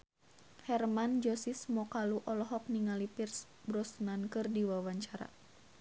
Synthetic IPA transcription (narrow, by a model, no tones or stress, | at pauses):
hɛrmand͡ʒɔsismɔkaluʔɔlɔɦɔk̚niŋalipirs | bɾɔsnankɨrdiwawaɲt͡ʃaɾa̰